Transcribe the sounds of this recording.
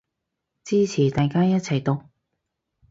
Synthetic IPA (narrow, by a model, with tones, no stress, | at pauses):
t͡siː˥t͡sʰiː˨˩t̪aː˨˧jkaː˥jɐ˥t̚t͡sʰɐ˨˩jt̪o˨k̚